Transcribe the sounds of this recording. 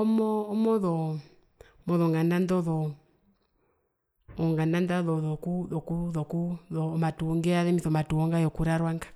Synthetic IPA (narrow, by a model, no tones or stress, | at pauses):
ɔmɔːmɔðɔ | mɔðɔŋɡanandɔðɔ | ŋɡanandaðɔðɔkuðɔkuðɔkuðɔmatuɔŋɡɛaðɛmiθɔmatuɔŋɡajɔkuɾaɾwaŋɡḁ